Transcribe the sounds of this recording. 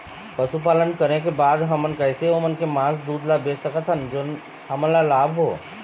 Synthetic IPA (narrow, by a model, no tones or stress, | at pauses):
pɐsup̬aːlənkɐɾekebaːd̪ɦɐmənkɛɪseoːmənkemãːsd̪uːd̪labeːsəkət̪ɦənd͡ʒoːn | ɦɐməlalaːbʱɦo̰ː